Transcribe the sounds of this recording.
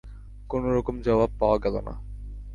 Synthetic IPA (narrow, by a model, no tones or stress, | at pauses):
konoɾɔkomd͡ʑɔbab̚paoaɡɛlo̰na̰